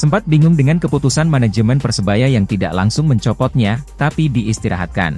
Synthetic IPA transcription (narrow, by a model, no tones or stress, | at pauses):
səmpat̪̚biŋʊŋdəŋankəput̪usanmanad͡ʒəmɛnpərsəbajajaŋt̪ida̰ʔla̰ŋsʊŋməɲt͡ʃɔpɔt̪̚ɲat̪apidiːst̪iɾa̰ɦa̰t̪̚ka̰n